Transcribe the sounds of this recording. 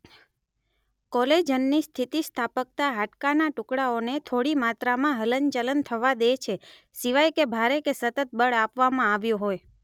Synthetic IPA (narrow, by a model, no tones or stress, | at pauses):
kɔled͡ʒənːist̪ʰit̪ist̪ʰapək̚t̪aɦaʈkanaʈʊkɽaonet̪ʰoɽimat̪ɾamãɦələnt͡ʃələnt̪ʰəʋad̪et͡ʃʰe | siʋajkebʱaɾekesət̪ət̪̚bəɭapʋamãaʋjõɦoj